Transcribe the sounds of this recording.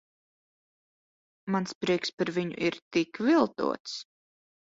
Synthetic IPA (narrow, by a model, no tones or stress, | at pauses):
manspɾiɛkspaɾviɲṵʔiɾt̪ikvilˠt̪ṵɔt̪s